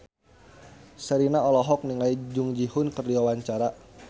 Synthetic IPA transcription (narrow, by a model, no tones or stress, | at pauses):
səɾinaɔlɔɦɔk̚niŋaid͡ʒʊŋd͡ʒihʊnkərdiwawaɲt͡ʃaɾa